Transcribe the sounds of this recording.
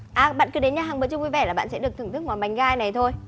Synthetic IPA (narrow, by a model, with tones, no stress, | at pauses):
ʔaː˨˩ɓa̰ː˧˨nkɨ˨˦ɗe˨˦nɲaː˧˩ɦaː˨˩ŋɓɨ̰˧˨t͡ɕʊ˧ŋ͡mvi˧vɛ˧˩laː˨˩a̰ː˧˨nsɛ̰˧˥ɗɨ˨˩ək̪̚ʰɨ˧˩ŋt̪ʰɨ˦˥k̚ŋwaː˨˩nɓa˨˩jŋ̟ɣaː˧jna˨˩jt̪ʰo˧j